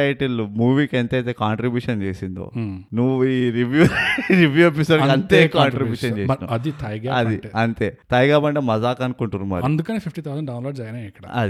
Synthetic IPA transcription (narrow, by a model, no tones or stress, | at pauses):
ɐjʈilumuːʋiːkent̪ɐjt̪eːkaːɳʈɾibjuːʂɐnt͡ʃeːsind̪o̰ːnuʋːuiɾibjuɾiʋjuep̬isoːɖkiɐnt̪eːkaːɳʈɾibjuːʃɐnd͡ʒeːɐna̰ɐd̪it̪ʰɐjɡaɐd̪iʈɐnt̪eːt̪ɐjɡaːbɐɳʈeːmɐd͡ʒaːkɐnkuɳʈunumɐ̰ːɾɐnd̪ukɐneːpʰipʈit̪ʰɐwzɐnɖɐwnloːɖd͡ʒɐɾɡɐnaɛkːɐɽɐ̰ɐ̰d̪i